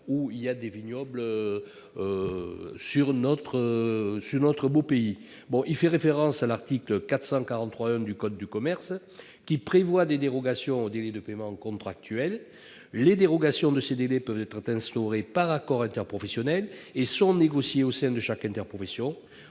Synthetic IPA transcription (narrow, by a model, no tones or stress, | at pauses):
uiljad̪evinjɔbl | ø | syʁnɔt̪χəsyʁnɔt̪χəbopei | bɔ̃ʔilfɛʁefeʁɑ̃salaʁt̪ikləkat̪χə̥sɑ̃kaʁɑ̃χwaɛ̃d̪ykɔd̪ːykɔmɛʁs | kʲipχevwad̪ed̪eʁɔɡasjɔ̃od̪elɛd̪əpemɑ̃kɔ̃t̪χak̚t̪ɥɛlː | ed̪eʁɔɡasjɔ̃d̪əsed̪elɛpœvt̪ɛt̪χət̪ɛ̃st̪ɔʁepaʁakɔʁɛ̃nt̪ɛʁpχɔfesjɔnɛlesɔ̃neɡɔsjeosɛ̃d̪əʃakɛ̃nt̪ɛʁpχɔfesjɔ̃